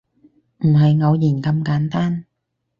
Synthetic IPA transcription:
m̩˨˩ɦɐ˨˩jŋo˨˧wjiː˨˩nkɐ˧mkaː˨˥nt̪aː˥n

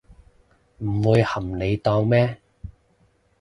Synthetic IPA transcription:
m̩˨˩wuː˨˧jhɐ˨˩mne˨˧jt̪ɔː˧ŋmɛː˥

